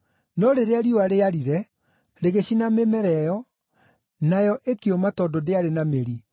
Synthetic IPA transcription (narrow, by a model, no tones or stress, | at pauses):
nɔɾeɾeaɾioaɾeaɾiɾɛ | ɾeɣeɕinamemɛɾɛjɔ | najɔʔekeomatɔdɔdeaɾenameɾi